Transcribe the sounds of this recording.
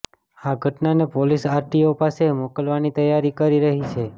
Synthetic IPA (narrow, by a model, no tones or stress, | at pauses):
aɡʱəʈnanepolisaɾʈiopasemokəlʋanit̪əjaɾikəɾiɾəɦit͡ʃʰe